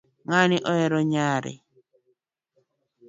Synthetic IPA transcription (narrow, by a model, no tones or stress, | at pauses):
ŋanɪʔɔɛɾɔɲaɾɛ̰